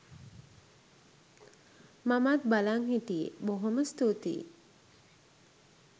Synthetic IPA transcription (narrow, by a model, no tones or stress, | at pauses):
mamat̪̚balaŋɦit̪iboɦoməst̪ut̪ḭ